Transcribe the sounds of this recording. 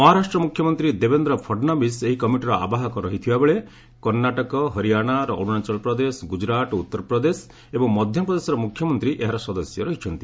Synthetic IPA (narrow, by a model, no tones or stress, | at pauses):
mɔɦɔɾasʈɾɔmukʰjɔmɔnt̪ɾid̪ebend̪ɾɔpʰɔɖnɔbiseɦikɔmiʈiɾɔʔa̰baɦɔkɔɾɔɦit̪ʰibabeɭe | kɔɾnaʈɔkɔɦɔɾiaɽ̃aɾɔʔoɽ̃unat͡ʃɔlpɾɔd̪esɡud͡ʒɾaʈ̪ɔut̪ːɔɾɔpɾɔd̪es | ebɔŋmɔd̪ʱjɔpɾɔd̪esɔɾɔmukʰːjɔmɔnt̪ɾiʔeɦaɾɔsɔd̪ɔsjɔɾɔɦit͡ʃʰɔnt̪i